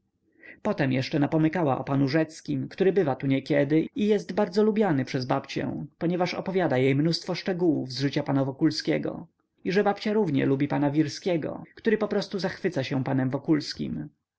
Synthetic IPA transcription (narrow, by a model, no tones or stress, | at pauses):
pɔt̪ɛmjɛʂt͡ʂɛnapɔmɘkawa̰ʔɔ̰panuʐɛt̪skʲimkt̪uɾɘbɘvat̪uɲɛkʲɛd̪ɘijɛst̪baɾd̪zɔlubʲjanɘpʂɛzbapt͡ɕɛ̰̃pɔɲɛvaʂɔ̰pɔvʲjad̪ajejmnust̪fɔʂt͡ʂɛɡuwuvzʐɘt͡ɕapanavɔkulskʲɛɡɔ̰ | iʐɛbapt͡ɕaɾuvɲɛ̰lubʲipanavʲiɾskʲɛɡɔ̰kt̪uɾɘpɔpɾɔst̪uzaxfɘt̪saɕɛ̃panɛmvɔkulskʲḭm